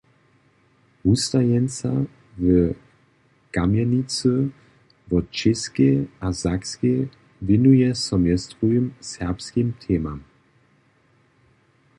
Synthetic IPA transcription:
ust̪ajɛnt͡sa̰ | və | kamjɛnit͡sə | vɔt͡ʃɪskɛazakske | vjɛnujɛsɔmjɛst̪ʁujimsɛʁpskimt̪ʰɛːmam

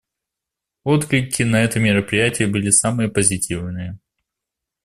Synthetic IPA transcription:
o̞t̪klʲɪkʲːɪnɐɛt̪əmʲɪɾəpɾʲɪjætʲɪjəbɨlʲɪsamɨjəpəzʲɪtʲivnɨjə

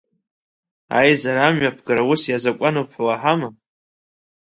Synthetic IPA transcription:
a̰jzaɾamɥapʰɡaɾawʊsjazakʷʼanopʰħlaħama

